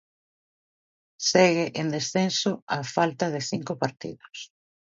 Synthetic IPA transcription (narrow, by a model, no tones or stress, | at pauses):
sɛɣɪʔend̪esθensʊafalt̪ɐðɪθiŋkʊpaɾt̪ḭðʊs